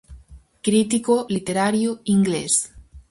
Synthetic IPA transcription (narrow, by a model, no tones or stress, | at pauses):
kɾit̪ikolit̪eɾaɾjoiŋɡles